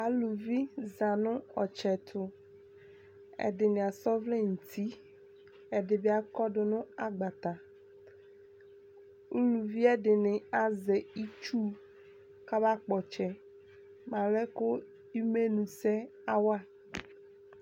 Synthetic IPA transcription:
a˨lu˨vi˦za˨nʊ̃˦ɔ˨t͡ʃɛ˨t̪ʰʊ˨ | ɛ̰˨dɪ˨nɪ̃˨a˨sɔ˦vlɛ˦n̩˨t̪ʰi˦ | ɛ˨dɪ˨bɪ˦a˨kɔ˦dʊ˨nʊ̃˦a˨ɡ͡ba˨t̪a˨ | u˦lu˨vi˦ɛ˦dɪ˨nɪ˨a˨zɛ˨i˦t͡ʃu˦ | ka˦ba˦k͡pɔ˨t͡ʃɛ˨ | mã˨lɛ˦kʊ˦ | i˦me˦nũ˨sɛ˦a˦wa˦

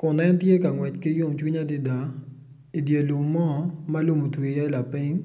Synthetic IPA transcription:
kʊ˨nɛ˦ntje˦ka˨ŋwɛ˨t͡ʃkɪ˦jo˦mt͡ʃwi˦ɲa˦dɪ˦da˨ | i˨dje˨lu˨mːɔ˦˨ma˦lu˦˨mo˨twi˨ja˦e˦la˨pɪ˦ŋ

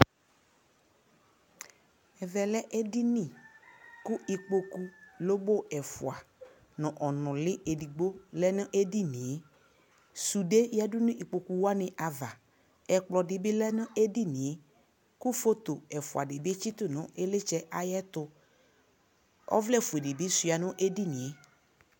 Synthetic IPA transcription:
ɛ˨vɛ˨lɛ˦ʔe˦di˦nĩ˦˨kʊ˦ʔi˨k͡po˨ku˦lo˦bo˦˨ɛ˨fʊ˨a˨ | nɔ̃˨ʔɔ˨nɔ̃˨lɪ˦ʔe˨di˨ɡ͡bo˦lɛ˦nɪ̃˦ʔe˦di˦nĩ˨e˦ | su˨de˦jɛ˦dʊ˦nʊ̃˦ʔi˨k͡po˨ku˨wa˦nɪ̃˨ʔa˨va˨ | ɛ˨k͡plɔ˨dɪ˨bɪ˦lɛ˦nʊ̃˦e˦di˦nɪ̃˨e˨ | kʊ˦fo˦t̪o˨ɛ˨fʊ˨a˨dɪ˨bɪ˦e˦t͡ʃi˦t̪ʊ˦nʊ̃˨e˦lɪ˦t͡ʃɛ˦ʔa˨jɛ˦t̪ʊ˦ | ɔ̰˦vlɛ˦˨fu˨e˨di˨bi˦sʊ˨a˨nʊ̃˦ʔe˦di˦nĩ˨e˨˦

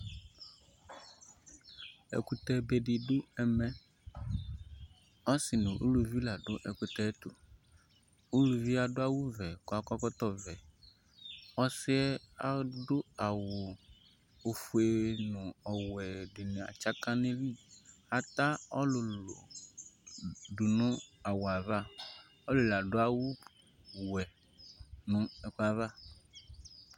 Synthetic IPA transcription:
ɛ̰˨ku˦t̪ɛ˦be˨ɖi˨ɖʊ˦ɛ˨mɛ˨ | ɔ˦sɪ˨nʊ̃˨ʔṵ˦lu˨vi˦la˨ɖʊ˦ʔɛ˨ku˦t̪ɛ˦t̪o˨ | u˦lu˨vi˦a˨ɖʊ˦a˦wu˦vɛ˨ko˨˦a˨kɔ˦kɔ˦t̪ɔ˦vɛ˨ | ɔ˦sɪ˦ɛ˦a˨˦ɖʊ˦a˨wo˨ | o˨fu˦e˨nũ˨ɔ˨wɛ˨de˨nẽ˨a̰˨t͡ʃa˦kã˦ne˦vi˦a˨t̪a˦ɔ˦lo˨lo̰˨ | ɖu˨nʊ̃˦a˨wo˨a˨va˦˨ | ɔ˦lo˨la˨ɖo˦a˦wu˦ | wɛ˨ | nũ˨ɛ˨ku˦a˨va˦

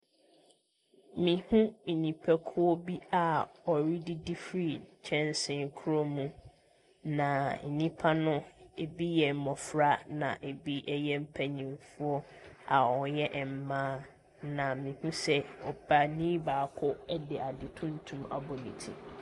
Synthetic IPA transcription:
mĩ˨hũ˦˨nĩ˨pʰɛ˦kʰʊ˦ɔ˦bi˦a˨ɔ˨ɾi˦di˦di˦fɾi˦˨t͡ɕʰɛ̃˦n˦sɪ̃˨ŋkʰu˦ɾo˦mũ˨ | nã˨nĩ˦pʰa˦nʊ̃˦e˨bi˦jɛ˨m̩˨mɔ̃˨fɾa˦nã̰˨ʔe˨bi˦ʔɛ˦jɛ˦m̩˦pʰæ˨ɲĩ˨mfʊ˦ɔ˦a˨ɔ˨˦jɛ˦ʔm̩˨mãː˦ | nã˨mĩ˨hũ˦sɛ˦ɔ˨ba˨nĩː˦baː˨kʰʊ˦ɛ˦dɪ˨ʔa˨dɪ˨tʰʊ̃˦n̩˦tʰũ˦ma̰˨bɔ˨nḭ̃˨tʰḭ˨

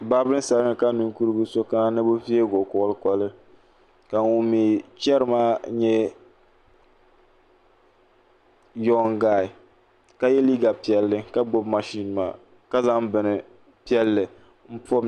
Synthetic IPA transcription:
ba˦bɨ˦sa˨lɨ˦ŋɨ˨ka˦nu˨ŋku˦ɾɨ˦bu˦so˦ka˦na˦nɨ˦bʊ˦fi˦e˦ɡo˨kʊ˦˨ʔlɨ˦kɔ˦lɨ˦ | ka˨ŋu˦mi˨t͡ʃɛ˦ɾɨ˦maː˦ɲɛ˦ | jɔ˦ŋɡaː˦˨ɪ˨ | ka˦jɛ˦li˦ɡa˨pi˨ɛ˨lːɨ˦ka˦ɡ͡bo˦bma˨ʃi˦n˨ma̰˨ | ka˦za˦ŋbɨ˨nɨ˨ | pi˦ɛ˦lːɨ˨ | m̩˦pɔ˦m

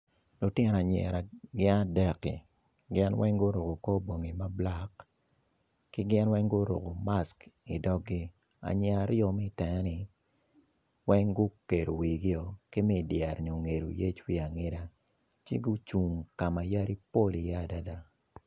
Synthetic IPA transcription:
lʊ˨tjɛ˦n˨a˨ɲɛ̰˨ɾa˨ɡɪ˦na˦dɛ˦kḭ˨ | ɡɪ˦nwʔɛ˦ŋɡʊ˦ɾo˨ɡo˨kɔ˦bo˨ŋi˨ma˦bla˦k | kɪ˦ɡɪ˦nwɛ˦ŋɡʊ˦ɾo̰˨ɡo˨ma˦ski˨dɔ˦ɡɡɪ˦ | a̰˨ɲɛ˨a˨ɾjɔ˨mɛ˦˨tɛ˨ŋɛ˦nɪ˨ | wɛ˦ŋɡʊ˦ke˨do˨wi˨ɡɪ˦ɔ˨kɪ˦mɛ˦˨djɛ˨rɲo˨ŋe˨ɾo̰˨je˦t͡ʃwi˦a˨ŋe˦da˦ | t͡ʃɪ̰˦ɡʊ˦t͡ʃu˨ŋka˨ma˨ja˦ɾi˦po˦li˨ja˦˨da˦da˦

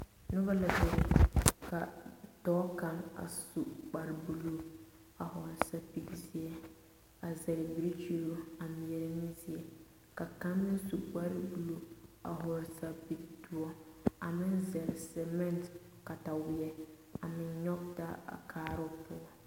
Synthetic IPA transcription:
nʊ˦ba˦la˨bɛ˦ɾka˨tɔː˦ka˦ma̰˨su˨k͡pa˨ɾɪ˨bu˨lu˦ | a˨hɔ˨ɾɪ˨sa˦pi˦ɡi˦si˦ɛ˦ | a˨zɛ˨ɾɪ˨bi˨ɾi˦t͡ʃi˦ɾu˦a˨mi˨jɛ˨ɾɪ˦ni˦si˦ɛ˨ | ka˨ka˦mːɪ˦n˦su˨k͡pa˦ɾɪ˦bu˨lu˦a̰˨ɦɔ˨ɾsa˦bi˨du˦ɔ˦a˨mɪ˦nzɛ˨ɾɪ˨sɛ˨mɛ˦˨nt | ka˨ta˨wɪ˨jɛ˦ | a˨mɪ˨ɲɲɔ˦k̚ta˦a̰˨kʰaː˦ɾʊ˦pʊ˦ɔ˦

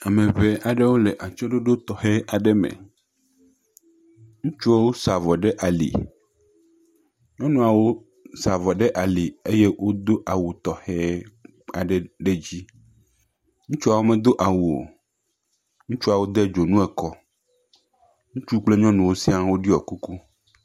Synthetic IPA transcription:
a˨mẽ˨βe˨˦ʔa˨ɖe˦wo˦le˨ʔa˨t͡ʃɔ˦ɖo˦ɖo˦t̪ɔ˨hɛ˦a˨ɖɛ˦mḛ˨ | ŋũ˦t͡ʃu˦a˦wo˦sa˨vɔ˨ɖe˦ʔa˨lḭ˨ | ɲɔ̃˦nũ˦a˨wo˦ | sa˨vɔ˨ɖɛ˦ʔa˨li˨e˦je˦wo˦d̪o˦ʔa˨wu˨t̪ɔ˨hɛ˦ | a˨ɖe˦ɖe˦d͡ʑi˦ | ŋũ˦t͡ʃu˦a˨wo˦mẽ˨d̪o˦ʔa˨wu˨o̰˨ | ŋũ˦t͡ʃu˦a˨wo˦d̪ɛ˦d͡ʒo˨nũ˦ɛ˨kɔ˦ | ŋũ˦t͡ʃu˦k͡ple˦ɲɔ̃˦nũ˨wo˦si˦a˦wo˦ɖi˦ɔ˨ku˦ku˦

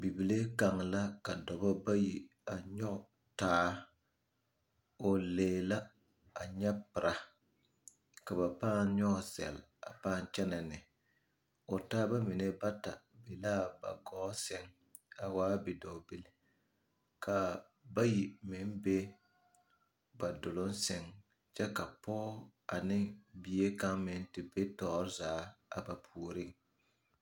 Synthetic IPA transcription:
bi˨bi˨le˦ka˨ŋla˦ka˨dɔ˨bɔ˦ba˦ji˨ | a˨ɲɔ˦˨ | taː˦ | o˨leː˨la˦ | a˨ɲɛ˦pɨ˨ɾa˨ | ka˨βa˨paː˦nɲɔ˦˨sɛ̰˨l | a̰˨paː˦n˦t͡ʃɛ˦na˨nɪ˨ | o˨taː˦ba˦mi˨ne˦ba˦ta˨bi˨laː˦ba̰˨ɡɔː˦sɛ˦ŋ | a˨waː˦bi˨dɔ˨bɪ˦lɪ˦ | kʰa˨ | ba˦ji˨mɪ˨˦nbe˦ | ba˨dʊ˨lʊ˦nsɛ˦ŋ | t͡ʃɛ˦ka˨pɔː˦a˨nɪ˦bi˨e˦ka˦ŋmɪ˨˦n˦tɪ˨be˦tɔː˨ɾɪ˦zaː˨˦a̰˨ba˨pʰu˨ɾɪ˦ŋ

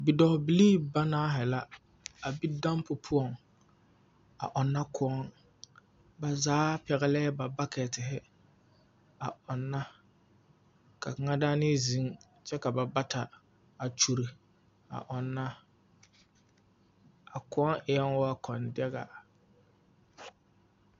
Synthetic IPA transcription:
bi˨dɔ˨hbi˨liː˦ba˦naː˦ɦɛ˨la˦ | a˨bi˦da˦mpʊ˨pʰʊ˦ɔ˨ŋ | a̰˨ʔɔ˨nːa˦kʰʊ˦ɔ˦ŋ | ba˨zaː˨˦pɛ˨ɣɛ˨lɛ˦ba˨ba˦kɛ˨tɪ˨ɦɪ˦ | a˨ɔ˨nːa˦ | ka˨ka˨ŋa˦daː˦nɪ˦zi˨˦ŋ | t͡ʃɛ˦ka˨ba˨ba˦ta˨ | a˨t͡ʃu˨ɾi˨ | a̰˨ʔɔ˨nːa˦ | a˨kʊ˦ɔ˦ŋɪ˨ɛ˦ŋ˦wa˦kʰɔ˨ndɛ˦ɡa˨

